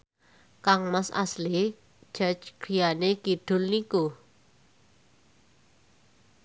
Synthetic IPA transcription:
kaŋmasa̰sli̥ | ʒ̥at͡ʃɡ̥ɾijaneɡ̥iɖ̥ʊ̤lniku

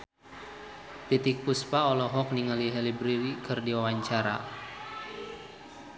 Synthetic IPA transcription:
t̪it̪ik̚puspaɔlɔɦɔk̚niŋaliɦɛlibɾiɾikɨrdiwawaɲt͡ʃaɾa̰

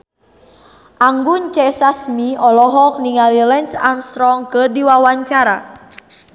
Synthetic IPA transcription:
ʔaŋɡunt͡ʃɛsasmiɔlɔɦɔk̚niŋalilɛnsamst̪ɾɔŋkədiwawaɲt͡ʃaɾa

